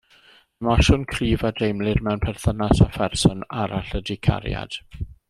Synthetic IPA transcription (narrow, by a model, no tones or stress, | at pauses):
əmaʃʊnkʰriːvadejmlˠɪrmɛwnpʰɛrθənasafɛrsɔnaɾaɬədɪkʰa̰ɾja̰d̥